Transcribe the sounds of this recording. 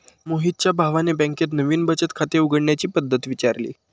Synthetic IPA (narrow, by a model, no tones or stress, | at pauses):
moɦit̪̚t͡ɕjabʱaʋanebə̃ŋkjet̪nəʋiːnbət͡ɕət̪kʰat̪euɡəɽɳjat͡ɕiːpəd̪ʱːət̪ʋit͡ɕaɾlḭː